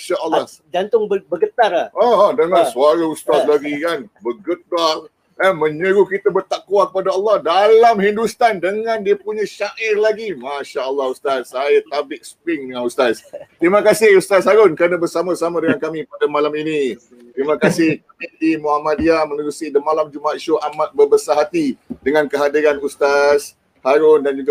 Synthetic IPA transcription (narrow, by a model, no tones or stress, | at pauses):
aʃaʔəlːɑh | d͡ʒant̪ʊŋbbəɡət̪araɔdəŋãnsuaɾaust̪at̪̚laɡikanbəɡəda | amə̃ɲəɾukit̪əbərt̪akuwakəpadaəlˠːɑhdalamhindust̪andəŋãndiəpuɲãʃaʔɪrlaɡimaʃaəlːɑhust̪at̪̚sajat̪abɪʔ̚sə̥pɾɪŋdəŋanust̪ast̪ɾimakasɪhust̪ashaɾʊnkɾanəbəsamarsamadəŋankamĩpadamalamini | t̪ɾimãkasɪhaidimuhamad̚iamənuɾusidəmalamd͡ʒumaat̪ʃoʔamat̪̚bəbəsaɦat̪idəŋãnkəɦadiɾanust̪as | haɾʊndand͡ʒuɡa